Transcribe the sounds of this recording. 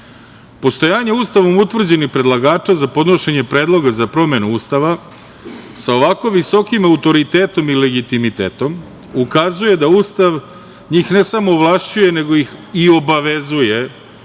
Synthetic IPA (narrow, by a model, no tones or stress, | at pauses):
po̞st̪o̞jaːɲeuːst̪aʋo̞mut̪ʋr̩d͡ʑe̞nixpɾe̞d̪lˠaɡaːt͡ʂazapo̞d̪no̞ʃe̞ɲepɾe̞ːd̪lˠo̞ɡazapɾo̞me̞nuuːst̪aʋa | sao̞ʋako̞ʋiso̞kimaut̪o̞ɾit̪eːt̪o̞mile̞ɡit̪imit̪ḛːt̪o̞m | ukazuje̞d̪auːst̪aʋ | ɲiːxne̞samo̞ʋlˠaʃt͡ɕuje̞ne̞ɡo̞jixio̞baʋe̞zuje̞